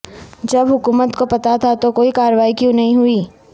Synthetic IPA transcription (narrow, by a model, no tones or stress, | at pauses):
d͡ʒɐbɦʊkuːmət̪kopɐt̪at̪ʰat̪okoːikaːɾəʋaːikjũnɐɦĩɦʊiː